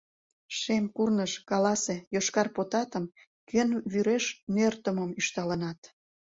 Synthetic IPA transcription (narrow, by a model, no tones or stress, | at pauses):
ʃemkurnəʃkɑlɑsejoʃkɑrpot̪ɑt̪əm | kønβyɾeʃnørt̪əməmyʃt̪ɑlənɑt̪